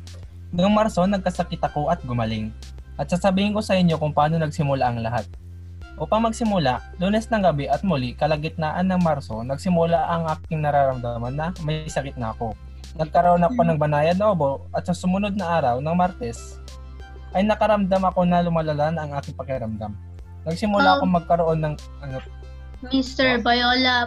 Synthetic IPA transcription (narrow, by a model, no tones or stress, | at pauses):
nʊŋmaɾso̞nɐɡ̚kɐsɐkɪt̪ɐko̞ʔɐt̪̚ɡʊmɐlɪŋ | ʔɐt̪̚sasɐbiːhɪŋko̞sɐʔɪɲːo̞kʊŋpɐaːno̞nɐɡsɪmʊlaʔɐŋlɐɦat̪̚ | ʔopɐŋmɐɡsɪmʊlaʔluːnɛsnɐŋɡɐbɛʔɐt̪̚mʊlɪkɐlɐŋɡɪt̪̚naːʔɐnːɐŋmaɾso̞nɐɡ̚sɪmʊlaʔɐŋʔaːk̚ɪŋnɐɾaːɾɐmd̪amɐnːɐmɐsɐkɪt̪̚nɐ̰ɐko̞ | nɐɡ̚kɐɾoʔonɐko̞nɐŋbɐnaːjɐnnɐʔoboʔɐt̪̚sɐsʊmʊno̞d̪̚nɐʔaːɾɐwnɐŋmaɾt̪ɛs | ʔɐjnɐkɐɾɐmd̪amɐko̞nɐlʊmalɐlanɐŋʔaːkɪŋpɐkɛɾɐmd̪am | nɐɡ̚sɪmʊlaɐko̞ŋmɐɡ̚kɐɾoʔo̞nːɐŋ | ʔɐno | mist̪ɛɹbɐjola